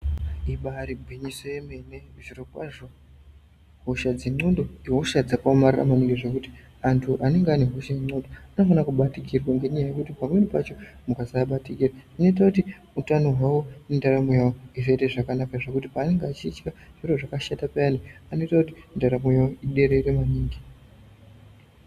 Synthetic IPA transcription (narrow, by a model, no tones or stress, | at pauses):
iɓaɾibʱwiɲiso̞jeme̞neʐiropaʐo | ɦoʃad͡ziŋ͡ǀo̞ndo̞iɦo̞ʃad͡zakaomarira̰maneŋɡeʐekuti̥ | antʰuʔane̞ŋɡeane̞ɦo̞ʃajeŋ͡ǀo̞ndoanofanakuɓatiɡirwaŋɡe̞ɲajaje̞kutipamwe̞nipa̰t͡ʃo̞mukazaɓatikiraano̞it̬akuti | utano̞ɦwawo̞nendaɾamujawoiʐeiteʐakanakaʐekutipaːne̞ŋɡeat͡ʃiːt͡ʃkaʐ̥iroʐakaʃatapeaniano̞itakuti̥ndaɾamujaoiɗe̞ɾe̞ɾemaniːŋɡi